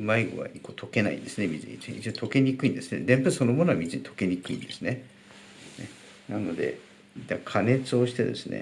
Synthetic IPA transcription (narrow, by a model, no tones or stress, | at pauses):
maiɡo̰βa̰ikot̪ʰo̞ke̞na̰ḭ̃nd̪̥e̞sɨnemʲizḭt͡sit͡ɕot̪o̞ke̞ɲ̟ʲikɯ̟ĩnd̪e̞sɨne̞̰d̪ẽ̞mpɯso̞no̞mo̞noamʲizɨɲit̪ʰo̞̥ke̞ɲʲikɯ̟ḭ̃nd̪esɨne | ne | nano̞d̪e̞̰ | d̪akʰane̞t͡sɨo̞ɕi̥t̪e̞d̪e̞̰sɨnḛ